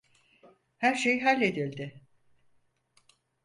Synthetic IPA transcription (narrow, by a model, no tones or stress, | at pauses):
hæɾʃejɦalʲːe̞d̪ilʲd̪ɪ